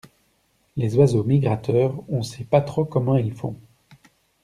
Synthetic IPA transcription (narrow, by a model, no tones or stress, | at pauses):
lezwazomiɡʁat̪œːʁɔ̃sɛpat̪χokɔmɑ̃ilfɔ̰̃